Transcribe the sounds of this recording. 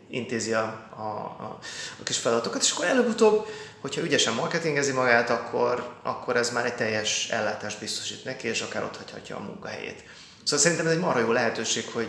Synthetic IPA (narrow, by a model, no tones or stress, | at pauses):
int̪eːziɒɒ̰ | ɒkiʃfɛlɒd̪ɒt̪o̞kɒt̪e̥ːʃɒ̥kːoɾɛløːbut̪oːbho̞chɒyɟɛʃɛmːɒrkɛt̪iŋɡɛzimɒɡaːt̪ɒkʰːo̞rʔɒ̰kʰːo̞ɾɛzmaːɾɛɟ̚t̪ɛjːɛʃɛ̰lːaːt̪aːʒd̪̚bist̪o̞̥ʃiːt̪nɛkieːʃɒkaːɾʔo̞t̪hɒchɒ̰cːɒ̰ːmṵŋkɒɦɛ̰jḛːt̪ | soːɒlsɛɾint̪ɛmɛzɛɟmɒrojoːlɛɦɛt̪øːʃeːkho̞ɟ